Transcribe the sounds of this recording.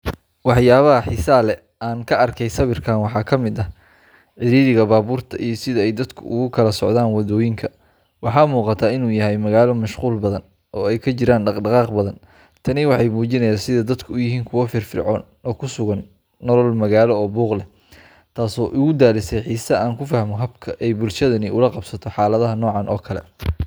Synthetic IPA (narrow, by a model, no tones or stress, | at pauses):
wɑħjaːβɐɦɐħiːsɐlɛ | aːŋkʰɐʔɐrkʰɛjsɐβɪrkʰaːnwɑħɑːkʰɐmɪd̪ɐ | ʕɪɾiːðɪɣɐbaːβuːrt̪ʰɐʔijɞsɪðɐɛjd̪ɐd̪kʰʊ̰ʔʊɣʊkʰɐlɐsɔ̰ʕðaːnwɑðɔːjɪŋkʰɐ | wɑħɑːmuːqɑt̪ʰaːɪnuːjɐɦɛjmɐɣaːlɔmɐʃquːlbɐðɐn | ʔɔːɛjkʰɐt͡ʃɪɾaːnɖɑqɖɑqɑːqbɐðɐn | t̪ʰɐnɪwɑħɑjmuːt͡ʃɪnɐjaːnsɪðɐd̪ɐd̪kʰʊʊjɪɦiːŋkʰʊwɐfɪːrfɪ̰rʕɔːn | ɔːkʰʊsʊɣɐnː | ɔlɔlmɐɣaːlɔɔːbuːqlɛ | t̪ʰaːsɔːʔʊɣʊd̪aːlɪsɛjħiːsɐʔaːŋkʰʊfɐhmɔɦɐbkʰɐʔɛjbʊlʃɐðɐnɪʊlɐqɑbsɐt̪ʰɔħɑːlɐðɐɦɐnɔːʕɑnʔɔ̰ːkʰɐlɛ̰